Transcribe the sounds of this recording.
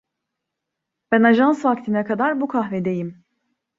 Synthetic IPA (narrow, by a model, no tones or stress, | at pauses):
b̥ænaʒansvakt̪ʰinɛkad̪aɾbukʰahvɛd̪e̞jim